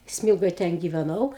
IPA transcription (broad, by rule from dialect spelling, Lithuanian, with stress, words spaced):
ˈsʲmʲiːlˠɡoːj ˈtʲɛn ɡʲɪʋʲɛˈnɐʊ